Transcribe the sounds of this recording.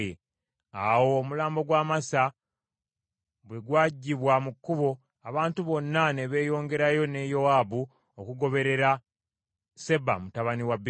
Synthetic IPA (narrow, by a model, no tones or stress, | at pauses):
awo̞ːmulaːmbo̞ɡwaːmasa | βweɡwaːɟːiβwamukːuβo̞ | aβaːntuβo̞nːane̞βe̞ːjo̞ːŋɡe̞ɾajo̞ne̞jo̞aːbu | okuɡo̞βe̞ɾe̞ɾa | se̞ba̰mutaβaniwab